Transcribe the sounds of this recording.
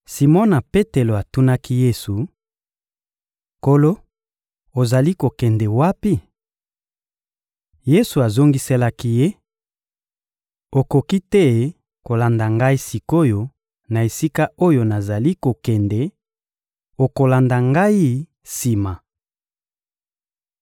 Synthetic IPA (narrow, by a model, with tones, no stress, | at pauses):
si˨mɔ˦na˨pe˦te˨lo˨a˨tu˦na˦ki˦je˦su˨ | ko˦lo˦ | o˨za˨li˦ko˨kɛ˨ndɛ˨wa˦pi˦ | je˦su˨a˨zo˦ŋɡi˦se˦la˦ki˦je˦ | o˨ko˨ki˦tɛ˦ | ko˨la˨nda˨ŋɡa˦i˦si˨ko˦jo˨ | na˨e˨si˦ka˦o˦jo˨na˨za˨li˦ko˨kɛ˨ndɛ˨ | o˨ko˨la˨nda˨ŋɡa˦i˦ | si˨ma˨